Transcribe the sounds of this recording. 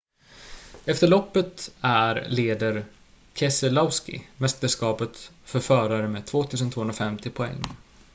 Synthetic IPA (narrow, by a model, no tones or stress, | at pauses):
ɛft̪əɭɔpːət̪æɾleːd̪əɾ | kʰɛsəlɔvskɪ̰mɛst̪əʂkɑːpət̪fœɾfœːɾaɾəmeːt̪ʰvoːt̪ʰʉ̟ːs̬ənvoːɵnɾafɛmt̪ɪpʰɔɛ̰ŋː